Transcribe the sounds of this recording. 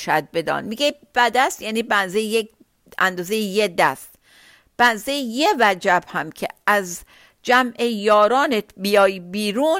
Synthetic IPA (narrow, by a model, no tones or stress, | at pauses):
ʃæd̪̚be̞d̪ɒ̰ːnmiɡeb̥æd̪æst̪jæːniːbænzejejek | ænd̪ɒːzejejed̪æst̪ | b̥ænzejjevæd͡ʒæbhæmcʰḛʔæz | d͡ʒæmʔejɒːɾɒːnet̪ʰbijɒːjbiːɾuːn